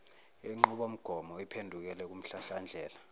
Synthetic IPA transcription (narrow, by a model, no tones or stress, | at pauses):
eŋ͡ǃuɓom̩ɡ̥ʱɔmɔipʰendʱuk̬ɛlɛk̬um̩ɬaɬand͡ɮʱɛːla